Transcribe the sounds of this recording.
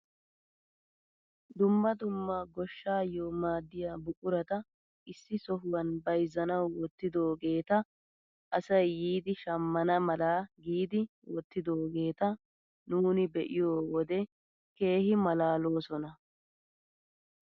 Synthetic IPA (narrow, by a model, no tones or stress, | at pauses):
d̪ʊmːɐd̪ʊmːaɡɔʃːaːjoːmaːd̪ːɪjaːbʊkʼʊɾɐt̪ɐ | ɪsːɪsɔɦʊwɐnbɐjzːɐnɐwwɔt̪ːɪd̪o̞ːɡe̞ːt̪ɐ | ʔɐsɐjːiːd̪ɪʃɐmːɐnɐmɐlaːɡiːd̪ɪ | wɔt̪ːɪd̪oːɡe̞ːt̪ɐ | nuːnɪbɛʔɪjoːwɔd̪ɛ | ke̞ːhɪmɐlaːlo̞ːsɔnɐ